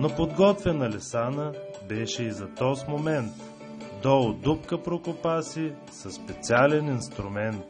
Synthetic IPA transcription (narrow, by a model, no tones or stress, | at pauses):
nopod̪ɡɔt̪vɛnɐlɛsanə | bɛʃɛizɐt̪ɔsmomɛnt̪ | d̪ɔd̪upkəpɾokopasi | sɐsːpɛt̪sʲalɛninst̪ɾʊmɛnt̪